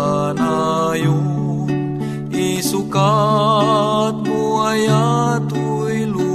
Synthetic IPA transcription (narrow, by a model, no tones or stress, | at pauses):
naju | isuka | t̪̚muajat̪u | ilu